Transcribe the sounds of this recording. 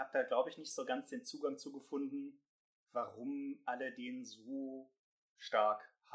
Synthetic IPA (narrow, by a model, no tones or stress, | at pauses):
haːb̚əd̥aːɡlaʊbəɪçnɪçtz̥oːɡant͡sd̥eːnt͡suːɡaŋt͡suːɡəfʊndn̩ | vaʁʊmʔalədeːnnzoː | ʃtaɐkh